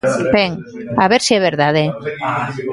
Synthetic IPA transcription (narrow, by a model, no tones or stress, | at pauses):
beŋ | aβeɾsiɛβ̞eɾðað̞e